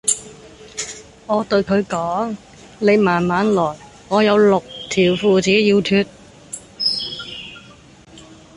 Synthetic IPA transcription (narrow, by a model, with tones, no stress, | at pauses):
ŋɔː˨˧t̪ɵ˧ɥkʰɵ˨˧ɥkɔː˨˥ŋ | ne˨˧jmaː˨˩nmaː˨˧nlɔː˨˩j | ŋɔː˨˧jɐ˨˧wlʊ˨k̚t̪ʰiː˨˩wfuː˨˧t͡siː˨˥jiː˧wt̪ʰyː˧t̚